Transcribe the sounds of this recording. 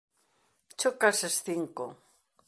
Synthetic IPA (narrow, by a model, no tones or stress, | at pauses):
t͡ʃokasesθiŋko